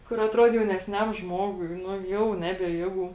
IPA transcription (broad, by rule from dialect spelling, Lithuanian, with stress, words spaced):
ˈkʊr ɐtˈruɔt jɛʊnʲɛsʲˈnʲɛm ˈʒmoːɡʊɪ ˈnʊ ˈjɛʊ ˈnʲæːbʲiɛ ˈjeːˌɡuː